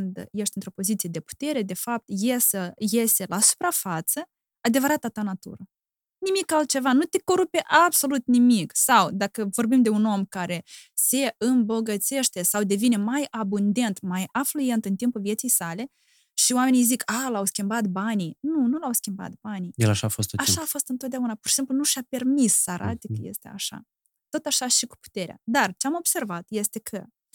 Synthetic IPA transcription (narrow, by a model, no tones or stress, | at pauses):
ɨnd̪je̞ʃt̪ʲɨnt̪ɾo̞po̞zit̪sije̞d̪e̞pu̥t̪e̞ɾe̞d̪e̞fap̚t̪jesəje̞se̞lasu̥pɾafat̪sə | ad̪e̞vəɾat̪at̪anat̪ṵɾə | nimikalt̪̚t͡ʃe̞vanut̪eko̞ɾupe̞ʔabso̞lut̪nimiksawd̪akəvorbimd̪e̞uno̞mkaɾe̞se̞ɨmbo̞ɡət̪se̞ʃt̪e̞sawd̪e̞vinemajabund̪e̞nt̪majafluje̞nt̪ɨnt̪impulvjesijsale̞ | ʃioame̞nijzikaːlawskʲimbat̪baninunulawskʲimba̰t̪̚banij̪elaʃaːfost̪oaʃaːfost̪ɨnt̪ot̪̚d̪eaunapurʃi̥szemplunuʃape̞rmisːəaɾʔa̰t̪ekəje̞̰st̪ea̰ʃa̰ | t̪o̞t̪aʃaʃiku̥pu̥t̪e̞ɾea̰d̪art͡ʃeamo̞b̥se̞rvat̪je̞st̪e̞kʰə